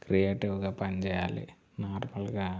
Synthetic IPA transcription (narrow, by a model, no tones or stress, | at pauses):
krijeːʈːiʋuɣɐpɐɲd͡ʑɐjaːlɨ̰ | naːrmɐlɣa